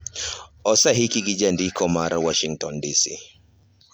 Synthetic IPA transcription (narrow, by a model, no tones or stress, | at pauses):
ɔsaɦikiɡid͡ʒandikɔmaɾʔawɔʃiŋtɔndisi